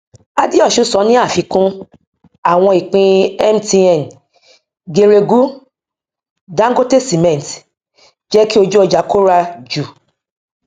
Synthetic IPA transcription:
a˧di˦ɔ˦˨ʃu˧sɔ˨˦nĩ˦a˦˨fi˨˧kũ˦ | a˦˨w̃ɔ̃˧i˨k͡pĩ˧ɛ˦m˦ti˧ɛ˨n˨ | ɡe˧ɾe˧ɡu˦ | dã˦ɡo˦tɛ˦sti˨mɛ̃˨n˨t | d͡ʒɛ˦ki˦o˧d͡ʒu˦ɔ˧d͡ʒa˨˦ko˦ɾa˧d͡ʒu˨

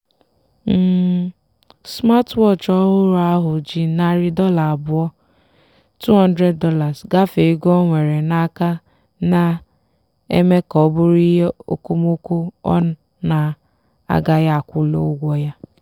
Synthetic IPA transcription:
m̩˨ | sma˦twɔ˦t͡ʃɔ˦ɦʊ˦ɾa˦ɦʊ˨d͡ʒi˦na˨ɾi˦dɔ˦la˨bʊ˦ɔ˦ | tu˦ɦɔ˦n˦dɾe˦dɔ˦la˨sɡa˦fe˨˦ɡɔ˦ŋʷe˨ɾe˨na˦ka˦ | na˦ | ḛ˦me˦kɔ˨˦bʊ˦ɾi˦ɦe˦o̰˦ko˦mo˦ko˦ɔ̰˦ | na˨ | a̰˦ɡa˦ja˦˨kʷʊ˦lo̰˦ɡʷɔ˦ja˦

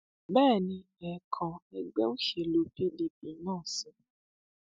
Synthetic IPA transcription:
bɛː˦˨nĩ˧ | ɛ˨kʰã˨ɛ˧ɡ͡bɛ˦o˦ʃe˧˨lo˧fi˦˨li˨b̚i˨˦nãː˦˨sĩ˨˦

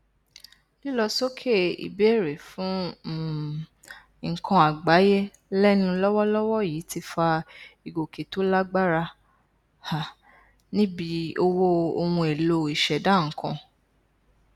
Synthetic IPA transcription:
li˦lɔ˧so˦kʰe˦ḭ˨be˨˦˨ɾe˨fũ˨˦˨ | ŋ̩˨kʰɔ̃˧a˨ɡ͡ba˨˦je˦ | lɛ˦nũ˧lɔ˦wɔ˦lɔ˦wɔ˦jiː˨˦ti˧˦fa˧i˨ɡo˨ke˨to˦la˦ɡ͡ba˦ɾa˧ | ha˨ | nĩ˦bi˧˦o˧wo˦o˧wũ˧e˨lo˧i˨ʃɛ˨da˨˦˨ŋ̩˨kʰɔ̃˧

